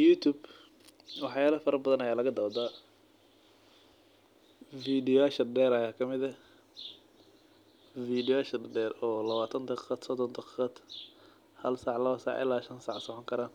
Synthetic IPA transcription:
jut̪ʰuːb | wɑħjaːlɐfɐɾɐbɐðɐnɐjaːlɐɣɐd̪ɐːd̪a | fiːd̪ɪjaːʃɐɖɛːɾɐjaːkʰɐmɪðɐ | fiːd̪ɪjaːʃɐdɖɛːrɔːlɐβaːt̪ʰɐnd̪ɐqad̪sɔd̪ɔnd̪ʰɐqːqad̪ | hɐlsaːʕlɐβɐsa̰ʕʔɪ̰lːaːʃɐnsaʕsɔʕɔŋkʰɐɾaːn

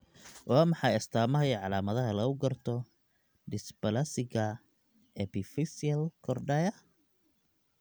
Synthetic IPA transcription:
wʔɑːmɑħɑjɐst̪ʰaːmɐɦɐjʕɑlaːmɐðɐɦɐlɐʊɡɐrt̪ʰɔ | ɖɪsbɐlɐsɪɣɐ | ɛbɪfɪsɪɐlkʰɔrɖɛjɐ

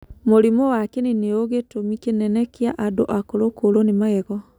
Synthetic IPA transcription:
moɾimɔwakeneneoɣetomikenɛnɛkeaʔadoʔakoɾokoɾonemaɣɛɣɔ

